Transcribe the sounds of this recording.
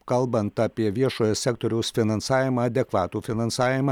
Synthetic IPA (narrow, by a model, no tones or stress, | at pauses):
kɐlˠbɐnt̪ɑːpʲiɛʋʲiɛʃoːjosʲæːkt̪ɔɾʲɛʊsfʲɪnɐnsɑːʋʲɪmɑɐːd̪ʲɛkʋɑːt̪uːfʲɪnɐnsɑːʋʲɪmɐː